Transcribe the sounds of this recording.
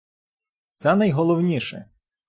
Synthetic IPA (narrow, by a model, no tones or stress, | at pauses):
t̪sɛnɐjɦɔlˠɔwnʲiʃɛ̰